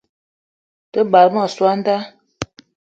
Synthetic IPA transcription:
tə˦ba˨ɾma˦˨swa˦n˦da˦

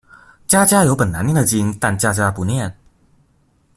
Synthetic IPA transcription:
t͡ɕja˥t͡ɕja˥jo˧˥ʊpə˨˩nːa˧˦njɛ˥˩nd̪ə˩t͡ɕi˥ŋt̪a˥˧nt͡ɕja˥t͡ɕja˥pu˧˦njɛ˥˨˩n

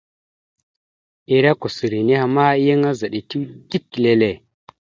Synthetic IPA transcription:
i˦˨ɾa˦ko˨si˨ɾi˨ni˦ha˨ma˦i˦jə˦ŋa˦za˨ɗi˨ti˦wdi˦kːi˨le˦le˦˨

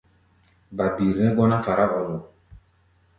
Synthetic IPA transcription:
ba˨bi˨ɾnɛ˦ɡɔ˦na˦fa˨ɾa˦ʔɔ˨lɔ˨

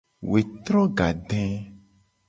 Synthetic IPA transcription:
we˨t̪ɾɔ̃˦ɡa˨ɖɛ̃˦

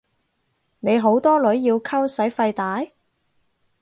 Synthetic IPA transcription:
ne˨˧jɦo˨˥wt̪ɔː˥lɵ˨˥ɥjiː˧wkʰɐ˥wsɐ˨˥jfɐ˧jt̪aː˨˥j

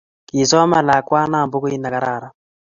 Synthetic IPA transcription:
ki˨sɔ˦ma˨la˨kwa˦na˦˨mbo˦ko˦i˦na˨ka˦ɾaː˦˨ɾa˨

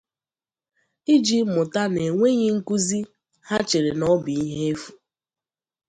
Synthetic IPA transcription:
i˦d͡ʒi˦mʊ˨ta˦ne˨ŋʷe˦ɲe˦ŋ̩˦ku˦zi˦ | ha˦t͡ʃe˨ɾe˨nɔ˦bi˨i˦ɦe˦e˦fu̥˨

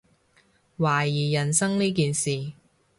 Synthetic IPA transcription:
waː˨˩jiː˨˩jɐ˨˩nsɐ˥ŋniː˥k̬iː˨nsiː˨

